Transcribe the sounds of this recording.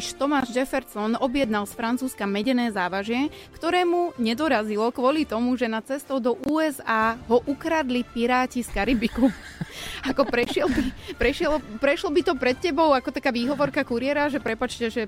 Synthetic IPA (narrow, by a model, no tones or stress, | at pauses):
ʃt̪ɔmaːʒd͡ʒɛfɛɾt̪sɔnɔbjɛd̪nalsfɾant͡suːskamɛɟɛnɛːzaːʋaʒɪɛkt̪ɔɾɛːmuɲɛd̪ɔɾazilɔkʋɔlit̪ɔmuʒɛnat͡sɛst̪ɔʊd̪ɔʔuːɛzaːɦɔʔukɾaːd̪lipiɾaːciskaɾibikɔ | akɔpɾɛʃɪɛlbipɾɛʃɪɛlpɾɛʃlɔbit̪ɔpɾɛt̪̚cɛbɔʊakɔt̪akaːʋiːɦɔʋɔɾkakuɾɪɛɾaʒɛpɾɛpat͡ʃcɛʒɛ